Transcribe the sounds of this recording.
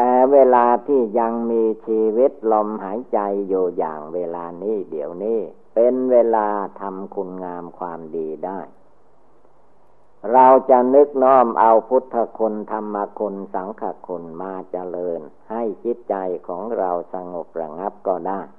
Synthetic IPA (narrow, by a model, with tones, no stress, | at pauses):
t̪ɛː˧weː˧laː˧t̪ʰiː˥˩ja˧ŋmiː˧t͡ɕʰiː˧wi˦˥t̪̚lɔ˧mhaː˩˦jt͡ɕa˧jjuː˨˧ja̰ː˨˩ŋweː˧laː˧niː˥˩di˩˦əwniː˥˩ | pe˧nweː˧laː˧t̪ʰa˧mkʰu˧nŋaː˧mkʰwaː˧mdiː˧daː˥˩j | ɾa˧wt͡ɕa˧nɯ˦˥k̚nɔː˥˩mʔa˧wpʰu˦˥t̪ʰːa˧kʰu˧nt̪ʰa˧mːa˧kʰu˧nsa˩˦ŋkʰa˧kʰu˧nmaː˧t͡ɕa˧lɤː˧nha˥˩jt͡ɕʰi˦˥t̪̚t͡ɕa˧jkʰɔː˩˦ŋɾa˧wsa˧ŋo˨˩p̚ɾa˧ŋa˦˥p̚kɔː˧˩daː˥˩j